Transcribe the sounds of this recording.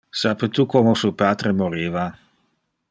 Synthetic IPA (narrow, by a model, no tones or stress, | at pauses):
sapet̪ukomosupaːt̪ɾemoɾiːva